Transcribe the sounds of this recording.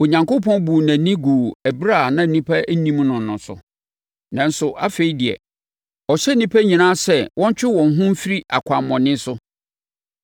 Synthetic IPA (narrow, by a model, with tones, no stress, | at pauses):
o˨ɲã˨ŋko˦pʰɔ̃˦nbu˨næ̃˨nĩ˦ɡuː˨æ˨bɾa˦˨nã˦˨nĩ˦pʰa˦nĩ˦m˦nʊ̃˨nʊ̃˨sʊ̰˨ | nã˨n˦sʊ˨ʔa˦fe˨i˦dɪ˨ɛ̰˨ | ɔ˨ɕɛ˦nĩ˦pʰæ˦ɲĩ˨nã˦sɛ˦˨wʔɔ̃˦ɲ˦t͡ɕᶣɪ˦wɔ̃˨n˦ɦʊ̃˦m˦fi˦ɾi˦ʔa̰˨kʷʰa˨m˨mɔ̃˨nɪ̃˦n˦sʊ˦